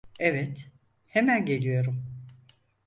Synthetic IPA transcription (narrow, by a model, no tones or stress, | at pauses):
evɛt̪ | hemænɟe̞lʲijo̞ɾum